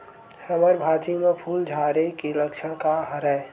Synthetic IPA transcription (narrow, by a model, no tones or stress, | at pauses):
səməɾbʱaːd͡ʒimẽpʰuːld͡ʒʱaɾekiləkt͡ʃʰəɽ̃kaɦəɾəe